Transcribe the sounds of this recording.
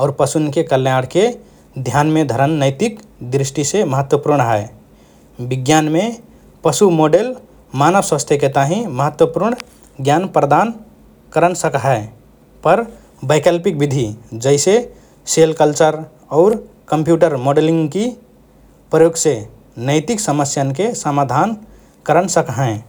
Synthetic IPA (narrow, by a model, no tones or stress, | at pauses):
ɔʊɾpəsunkekəlnjaɽke | d̪ʱjanmed̪ʱəɾənːəɪt̪ikd̪ɾɪsʈiseməɦət̪wəpuɾɳɦɛe | bɪɡjanme | pəsumoɖel | manəʋsə̃st̪ʰeket̪aɦĩməɦət̪wəpuɾɳ | ɡjanpɾəd̪an | kəɾənsəkɦɛ | pəɾ | bəɪkəlpik̚bid̪ʱid͡ʒəɪse | selkəlt͡ʃəɾ | ɔʊɾ | kəmpjuʈəɾmoɖelĩŋɡki | pɾəjoːɡse | nəɪt̪iksəməsjankesəmad̪ʱan | kəɾənsəkɦɛ̃